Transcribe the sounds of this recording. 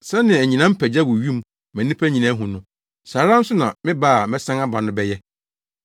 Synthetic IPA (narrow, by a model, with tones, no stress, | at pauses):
sɛ˦nɪ̃˨æ˨ɲĩ˨nã˦m̩˦pʰæ˨d͡ʑa˦wʊ˨ɥĩ˦m˦ | mæ̃˨nĩ˦pʰæ˦ɲĩ˨nã˦ɦũ˨nʊ̃˦ | saː˨ɾã˦n̩˦sʊ˦nã˨mɪ̃˦baː˦a˨mɛ̃˦sã˦ŋa˦ba˨nʊ̃˦bɛ˦jɛ˦